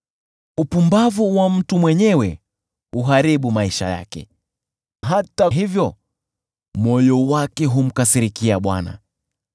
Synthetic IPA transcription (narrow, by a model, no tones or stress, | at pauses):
upumbavuwam̩tumwɛɲɛwɛ | uɦaɾiɓumaiʃa̰ja̰kɛ̰ | ɦataɦivjɔ | mɔjɔwakɛɦum̩kasiɾikiaɓwa̰na̰